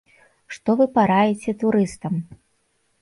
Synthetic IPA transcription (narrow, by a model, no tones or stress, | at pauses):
ʂt̪ɔvɨpaɾajɛt͡sʲɛt̪uɾɨst̪ɐm